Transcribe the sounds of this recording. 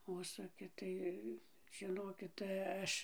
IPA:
ˈʊʃsʊkʲɪ ˈtɐɪ ʒʲɪˈnoːkʲɪt tɐɪ ˈɐʃ

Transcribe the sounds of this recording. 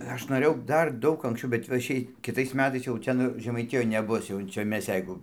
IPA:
ˈɐʃ noːˈrʲeːjɛʊ ˈdɐr ˈdɐʊk ɐŋksʲˈt͡ʃʲɛʊ bʲɛt ʋɐ ˈʃʲɛɪ kʲɪ tɐɪs ˈmʲæːtɐɪs jɛʊ ˈtʲɛn ʒʲɛmɐɪˈtʲɪjoːj nʲɛˈbʊs jɛʊ ˈt͡ʃʲɛ ˈmʲɛs ˈjɛɪɡʊ

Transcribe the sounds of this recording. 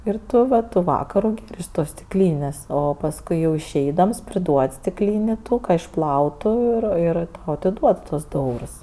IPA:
ɪr ˈtʊ ʋɐ tʊ ˈʋɑːkɐrʊ ɪʃ ˈtoːs sʲtʲɪkˈlʲiːnʲeːsʲ oː pɐsˈkʊɪ jɛʊ ɪʃʲˈɛɪdɐms pʲrʲɪˈduɔtʲ sʲtʲɪkˈlʲiːnʲɪ ˈtuː kɐ ɪʃˈplˠɐʊtʊ ɪr ˈɪr tɐʊ ɐtʲɪˈduɔt tuɔs dʊ ˈɛʊrs

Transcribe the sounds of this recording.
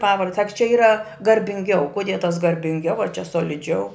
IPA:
ˈpɑːʋɐrt sɐk t͡ʃʲɛ ˈiːrɐ ɡɐrʲbʲɪŋʲˈɡʲɛʊ kʊˈdʲiɛ tɐs ɡɐrʲbʲɪŋʲˈɡʲɛʊ ɐr t͡ʃʲɛ soːlʲɪˈd͡ʒʲɛʊ

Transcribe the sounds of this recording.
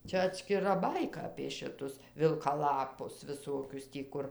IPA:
ˈt͡ʃʲɛ ɐtʲsʲkʲɪˈrɐ ˈbɐɪkɐ ɐpʲeː ʃʲɪˈtʊs ʋʲɪlˠkɐˈlˠɑːpʊs ʋʲɪˈsoːkʲʊs tʲiː ˈkʊr

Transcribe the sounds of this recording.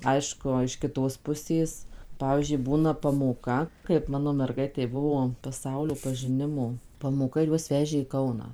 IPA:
ˈɐɪʃkʊ ɪʃ kʲɪˈtoːs pʊˈsʲeːs ˈpɑːʋʲiːzʲd͡ʒʲʊɪ ˈbuːnɐ pɐmoːˈkɐ kɐɪp ˈmɑːnoː mʲɛrˈɡɐɪtʲɛɪ ˈbʊʋoː pɐˈsɐʊlʲoː pɐʒʲɪˈnʲɪmoː pɐmoːˈkɐ ɪr ˈjuɔs ˈʋʲæːʒʲeː iː ˈkɐʊnɑː

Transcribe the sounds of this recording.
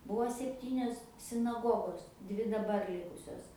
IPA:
ˈbuɔ sʲɛpʲˈtʲiːnʲoːs sʲɪnɐˈɡoːɡoːs ˈdʲʋʲɪ dɐˈbɐr ˈlʲɪkʊsʲoːs

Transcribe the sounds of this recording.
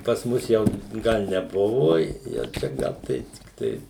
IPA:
pɐs ˈmʊs jɛʊ ˈɡɐlˠ nʲɛˈbʊʋʊ jɛʊ ˈt͡ʃʲɛ ˈɡɐlˠ tɐɪ tʲɪkˈtɐɪ

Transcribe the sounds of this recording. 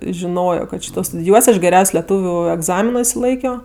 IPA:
ʒʲɪˈnoːjoː kɐt ˈʃʲiːtoː stʊdʲɪˈjuɔsʲ ɐʃ ɡʲɛrʲɛʊsʲ lʲɛˈtuːʋʲʊ ɛɡˈzɑːmʲɪnoː ɪʃʲsʲɪˈlˠɐɪkʲoː

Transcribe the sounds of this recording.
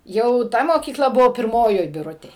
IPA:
ˈjɛʊ ˈtɐ moːkʲiːˈklˠɐ ˈbʊʋoː pʲɪrˈmoːjoːj bʲɪˈrʊtʲeːj

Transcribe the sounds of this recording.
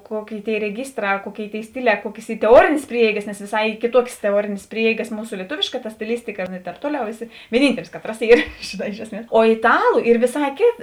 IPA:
ˈkoːˌkʲeːɪ tʲeːɪ rʲɛˈɡʲiːstrɑː ˈkuɔˌkʲeːɪ tʲeːɪ ˈsʲtʲɪˌlʲɛː ˈkuɔkʲeːs ˈiː tʲɛˈuɔrʲeːnʲeːs ˈpʲrʲiɛɛɪɡɐs nʲɛs ʋʲeːˈsɐɪ ˈiː kʲeːˈtuɔkʲeːs tʲɛˈuɔrʲeːnʲeːs ˈpʲrʲiɛɛɪɡɐs ˈmuːsʊ lʲiɛˈtoːʋʲeːʃkɐ tɐ sʲtʲɪˈlʲɪsʲtʲɪkɐ nʊ ɪ tʲɛːp ˈtuɔˌlʲɛʊ ˈæːˌsʲɪ ʋʲiɛˈnʲiːnʲtʲɛlʲɪs ˈkɑːˌtrɐs ˈiːr ʒʲeːˈnɑː ˈɪʃ ɛsʲˌmʲiɛs oː ɪtˈɑːlˠʊ ˈiːr ʋʲeːˈsɑː ˈkʲeːt

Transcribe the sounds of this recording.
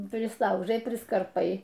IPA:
pʲrʲɪsˈlˠɐʊʒɐɪ pʲrʲɪskɐrˈpɐɪ

